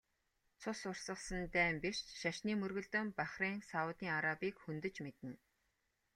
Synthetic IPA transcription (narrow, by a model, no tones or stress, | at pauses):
t͡sʰʊsʊrsə̆χsə̆nt̪æːmper̥t͡ɕʃaʃniːmɵrɣɵ̆ɮt̪ɵ̆mpaχriːŋsaʊt̪iːŋaɾapiːkxɵnt̪ɵ̆t͡ɕmet̪ɘ̆n